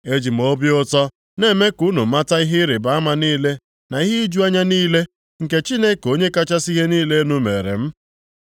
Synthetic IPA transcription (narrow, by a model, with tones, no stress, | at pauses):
e˦d͡ʒi˨m̩˨o˦bjʊ˦tɔ˦ | ne˦˨me˦ku˦nu˨m̩˦ma˦ta˦i˦ɦɪ˦ɾɪ˨ba˨a˦ma˦niː˦le˦ | na˨i˦ɦɪ˦i˦d͡ʒu˦a˦ɲa˦niː˦le˦ | ŋ̩˨ke˦t͡ʃi˦ne˦ko˦ɲe˦ka˦t͡ʃa˦si˦ɦe˦niː˦le˦nu˦me˨ɾḛ˨m̩˦